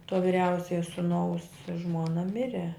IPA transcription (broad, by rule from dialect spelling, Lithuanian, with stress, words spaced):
toː ʋʲɪˈrʲɛʊsʲɛjɛ sʊˈnɐʊs ˈʒmoːnɐ ˈmʲɪrʲɛ